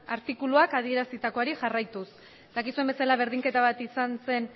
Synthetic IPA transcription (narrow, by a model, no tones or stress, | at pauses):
aɾt̪ikuluakað̞ie̞ɾasit̪ako̞aɾiʝarajt̪us | d̪akisue̞mbesalaβ̞e̞ɾðiŋke̞t̪aβ̞at̪isanse̞n